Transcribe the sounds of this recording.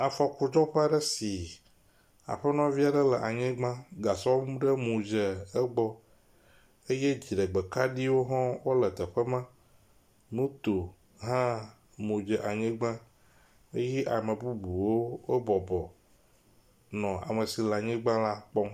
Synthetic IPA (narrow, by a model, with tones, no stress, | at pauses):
a˨fɔ˨ku˨d͡ʒɔ˦ɸe˦a˦ɖə˦si˨ | a̰˨ɸə˦nɔ̃˦vi˦a˨ɖə˦lə˨ʔa˨ɲɛ̃˦ɡ͡bã˦ɡa˨sɔ˦mũ˦ɖə˦mũ˨d͡ʒə˨ə˦ɡ͡bɔ˦ | e˦je˦d͡ʑi˨ɖə˨ɡ͡be˨ka˦ɖi˦wo˦ɦɔ̃˦wo˦lə˨t̪ə˨ɸə˦mã˦ | nũ˦t̪o˨ | ɦã˦ | mũ˨d͡ʒɛ˨ʔa˨ɲɛ̃˦ɡ͡bã˦ | e˦jɛ˦ʔa˨mə̃˨bu˦bu˨wo˦e˦bɔ˨bɔ˨ | nɔ̃˨a̰˨mə˨si˨la˨ɲɛ̃˦ɡ͡bã˦la˦k͡pɔ˦